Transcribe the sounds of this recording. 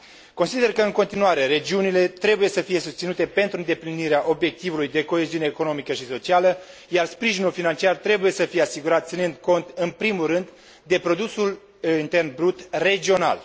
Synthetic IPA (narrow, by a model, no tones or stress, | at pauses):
ko̞nsid̪e̞rkəɨŋko̞nt̪inuaɾe̞ɾe̞d͡ʒiunile̞t̪ɾe̞buje̞səfije̞sust̪sinut̪e̞pe̞nt̪ɾuɨnd̪e̞pliniɾeaʔo̞bje̞k̚t̪ivulujd̪e̞ko̞e̞ziuneːko̞no̞mikəʃiso̞t͡ʃialə | jarspɾiʒinulfinant͡ʃiart̪ɾe̞buje̞səfije̞asiɡuɾat̪t̪sinɨnd̪ko̞nt̪ɨnpɾimulrɨnd̪ | d̪e̞pɾo̞d̪usul | int̪e̞rnbɾut̪re̞d͡ʒio̞na̰l